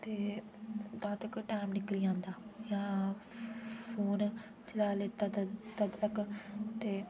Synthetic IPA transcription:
t̪eː | d̪ãːt̪əkʈaːmnɪkliːãːnd̪aːjãː | pʰoːn | t͡ʃəlaːleːt̪at̪əd̪təkt̪eː

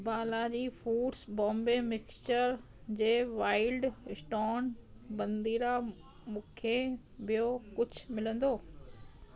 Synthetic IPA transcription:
baːlad͡ʑiːfuːɖsbɔ̃ːmbemɪkt͡ɕəɾ | d͡ʑeːʋaːɪlɖsʈoːnbɐ̃nd̪iːɾa | mũːkʰe | ʋijokʊd͡ʑʱʊmɪlə̃nd̪oː

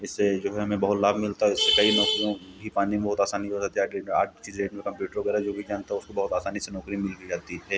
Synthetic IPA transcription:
ɪsːed͡ʒoːɦɛɦɐmẽbɐɦʊt̪laːbʱmɪlt̪aɦɪsːekɐinɔːkõ | bʱipaːnimẽbɐɦʊt̪aːsaːniosɐt̪iaea̰ːʈ̚t͡ʃiːzɾeːʈmẽkɐ̃mpjuːʈəɾʋɐɡɛːɾaɦɛd͡ʒoːbʱid͡ʒaːnt̪aɦɛʊskobɐɦʊt̪aːsaːnisenɔːkɾimɪlkid͡ʒaːt̪iɦɛː

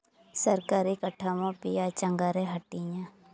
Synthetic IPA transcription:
səɾkaːɾikəʈʰːamãpijat͡ʃəŋɡaɾeɦɐʈːijã

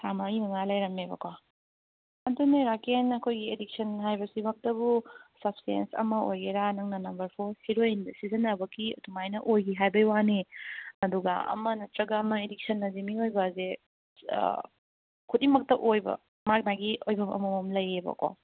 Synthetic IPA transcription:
samaimɐŋalɐjɾɐmebɐ̰kwa | ɐduneɾakenɐkʰojɡiedik̚sɐnɦajbɐsimɐk̚tɐbusɐp̚sḛnsɐ̰mɐojɡeɾanɐŋnɐnɐmbɐɾpʰoɾhiɾojnsizɐnɐbɐkḭdumajnɐʔojɡiɦajbɐjwaniɐduɡɐ̰ɐ̰mɐnɐtɾɐɡanɐedik̚sʰɐnːɐzimiojbɐzḛ | kʰutimɐk̚tɐʔojbɐ̰ | mak̚naɡiojbɐmɐ̰mɐomlɐjebɐ̰kwa̰

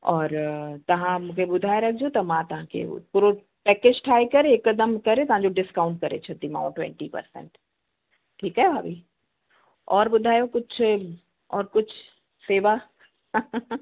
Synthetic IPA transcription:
ɔːɾt̪ɐʋ̤ãmũːkʰeɓʊd̪ʱaːeɾɐk̚ʰd͡ʑot̪ɐmãt̪ɐʋ̤ãkʰḛpuɾo | pɛːkeːd͡ʑʈʰaːikɐɾeekːəd̪əmkɐɾet̪ɐɦãɲd͡ʑoɖɪskaːʊ̃ɳʈ̚kɐɾḛt͡ɕʰɐt̪imã̰ːʈwɛ̰̃ɳʈipɐ̰ɾsɛ̰̃ɳʈ | ʈʰːiːkaːjea̰ːbʱi | ɔːɾɓʊd̪ʱaːjokʊd͡ʑʱʰ | ɔːɾkʊd͡ʑʰʊ | seːʋa

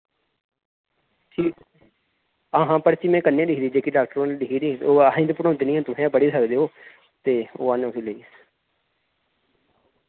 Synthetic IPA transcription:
ʈʰiː | əɦãːpəɾt͡ʃiːmɛ̃ːkənːẽːɖɪkʰːd̪iːd͡ʒeːkiːɖaːk̚ʈəɾõːnːɖikiːd̪iːoːaɦĩːd̪ːpəɽãːd̪iːnĩːãːt̪ʊɦẽːpəɽiːsəkd̪eːɦoː | t̪eːoːanːʊsiləiːs

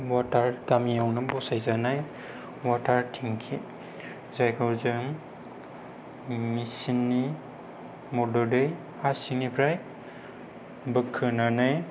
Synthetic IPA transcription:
watʰaɾdamijawnɯbɔsajzanaj | watʰaɾtʰiŋkʰi | zajkʰɯwzɯŋ | misinːi | mɔdɔdɯj | asiŋnipʰɾaj | bɯkʰːɯnanaj

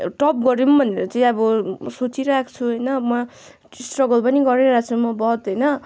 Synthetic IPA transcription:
ʈʌp̚ɡʌɾimbʱʌnːeɾʌt͡saj̃ʌbʌsot͡siɾʌakt͡sʰuɦʌjnʌmʌ | sʈrʌɡʌlpʌniɡʌɾeɾat͡sʰumʌbʌɦʌt̪ɦʌjnʌ

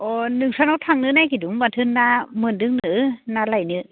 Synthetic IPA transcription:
ʔonɨŋsaːnot̚hʰaŋnɨ̰najkiɗʊwŋ͡mvaːt̪ʰɨnzaːmɨndɨŋnɨ̰naːlajnɨ̰

